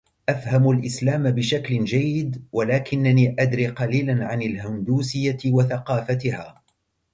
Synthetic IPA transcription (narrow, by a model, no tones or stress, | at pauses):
ʔafhamalʔɪslaːmabɪʃaklɪd͡ʒajːɪd̪walaːkɪnːaniːʔad̪ɾiːqɑliːlanʕanɪlɦʊnd̪uːsɪjːawaθaqɑːfat̪ɪhaː